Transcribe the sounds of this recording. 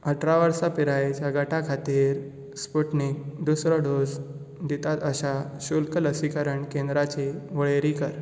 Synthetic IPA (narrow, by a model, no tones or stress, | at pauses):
əʈɾaʋəɾsapiɾajt͡saɡəʈakʰat̪iːɾ | spuʈnik̚d̪usɾɔɖod͡z | d̪it̪at̪əɕaɕulkələsikəɾəɳkẽnd̪ɾat͡ɕeʋəɭeɾikəɾ